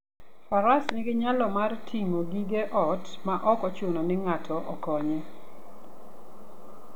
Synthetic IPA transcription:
paɾasnɪɡɪɲalɔmartʰiŋoɡiɡeʔɔtmaʔɔkɔt͡ʃʊnɔnɪŋatʰɔʔɔkɔɲɛ

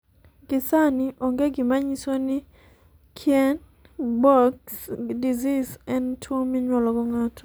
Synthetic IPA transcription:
ɡɪsaniʔɔŋɡeɡɪmaɲisoni | kʰjɛn | bɔksdizisɛntʰomiɲwɔlɔɡɔŋatɔ̥

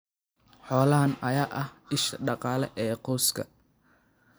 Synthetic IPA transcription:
ħɔːlɐɦɐnɐjaːʔɐhɪʃɐɖɑqɑːlɛʔɛːqɔskʰɐ̰

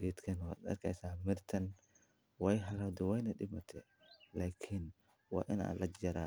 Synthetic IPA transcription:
ɾiːt̪kʰɐna̰ːd̪ɐ̰rkʰɛjsaːmɪrt̪ʰɐn | wɛjɦɐlɐd̪ɛwɛjnɐɗɪmɐt̪ʰɛ | laːkʰɪn | wɑ̰ːʔɪna̰ːlʔɐd͡ʒɐɾaː

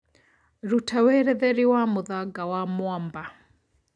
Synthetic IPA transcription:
ɾutʰawɛɾɛðɛɾiwamʊðaɡawamwamba

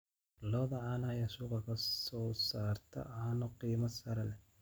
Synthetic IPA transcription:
lɔːðɐʕɑnajasuːqɑkʰɐsɔːsaːrt̪ʰɐ̰ʔɐnɔqiːmɐsɐɾɐlɛ

